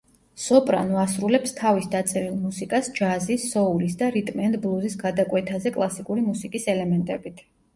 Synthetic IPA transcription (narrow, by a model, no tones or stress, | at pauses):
sɔpʼɾa̰nvasɾulɛpst̪ʰavisd̪at̪sʼɛɾilˠmusikʼasd͡ʒazisːɔulisd̪aɾit̪ʼmɛnd̪blˠuzisɡad̪akʼwɛt̪ʰazɛkʼlˠasikʼuɾimusikʼisɛlɛmɛnt̪ʼɛbit̪ʰ